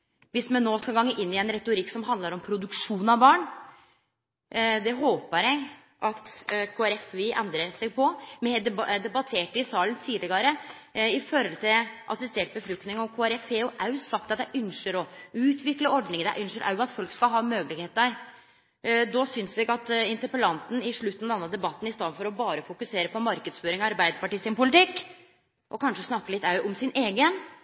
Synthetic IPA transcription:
ʋɪsmɛnːoːskɑlɡɑŋːəʔɪnːɪɛnɾɛt̪ʊɾɪkːsɔmɦɑnd̪əɾɔmpʰɾʊd̪ʉkʂuːnɑbɑːɳ | d̪ɛɦoːpəɾɛɡ | ʔɑt̪kʰoːæɾɛfɪʔɛnd̪ɾəɾsɛɡ̚pʰɔmɛɛd̪ɛd̪ɛbɑt̪ʰeːʈɪsɑːlənt̪ʰiːd̪lɪɡɑɾə | ɪfɔɾɔlt̪ʰɪʔɑ̰sɪst̪eːʈ̚bəfɾʉkt̪nɪŋɔkʰoːæɾɛfhɛʊʔæʉsɑk̚t̪ɑt̪d̪ɛʔʉnʃəɾɔʉːt̪ʰʋɪkləɔɖnɪŋənd̪æ̰ʔʉnʂəɾʔa̰ʉɑt̪fɔlkskɑɦɑːmøːɡəlɪɡheːt̪əɾ | d̪ɔsʏnslɛɡɑt̪ɪnt̪əɾpəlɑnt̪n̩ɪʂɭʉt̪ːnɑd̪ɛnːəd̪ɛbɑt̪ːn̩ɪst̪ɑːd̪nfɔɾɔbɑːɾəfʊkʉseːɾəpɔmɑɾkəd̪sføːɾɪŋɑɾbæɪd̪əpɑʈiːsɪnpʊlɪt̪ʰɪkː | ʔɔkʰɑnʂəsnɑkːəlɪt̪ːɑʉʔɔmsɪneːɡən

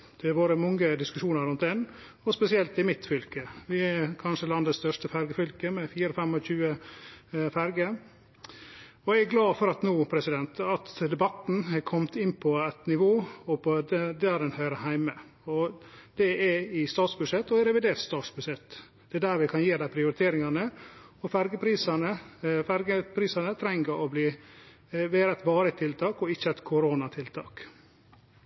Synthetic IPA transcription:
d̪̥ɛæɾʋoːɾəmɔŋːəd̪ɪskʉʂuːnəɾʉnt̪̚d̪ɛn | ɔspɛsɪɛlt̪ɪmɪt̪fʏlkəʋɪækʰɑnʂəlɑnd̪ət̪st̪œʂʈəfæɾɡəfʏlkəmɛfiːɾɔfɛmːɔçʉːə | fæɾɡə | ɔææɡlɑːfɔɾɑt̪nuːpʰɾɛsɪd̪ɛnt̪ɑt̪d̪ɛbɑt̪n̩ɛkʰɔmt̪ɪnːpʰɔɛt̪nɪʋoːɔpʰɔd̪d̪æɾɛnhœʏɾəhæɪmə | ɔd̪̥ɛɛɪst̪ɑːt̪sbʉʂɛt̪ːɔɛɾɛʋɪd̪eːɾʈ̪st̪ɑːt̪sbʉʂɛt̪ː | d̪̥ɛɛd̪æɾʋɪkʰɑnjeːd̪æɪpʰɾɪʊɾɪt̪ʰeːɾɪŋɑnəɔfæɾɡəpʰɾiːsɑnəfæɾɡəpʰɾiːsɑnət̪ʰɾɛŋəɾɔbliː | ʋeːɾəɛt̪bɑːɾət̪ʰːɪlt̪ʰɑːkɔɪçːəɛt̪kʰʊɾoːnɑt̪ʰɪlt̪ʰɑ̰ːk

